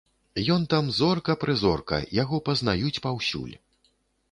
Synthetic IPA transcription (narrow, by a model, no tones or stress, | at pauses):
jɔnt̪amzɔrkɐpɾɨzɔrkɐ̰jaɣɔpɐznajut͡sʲpawsʲṵlʲ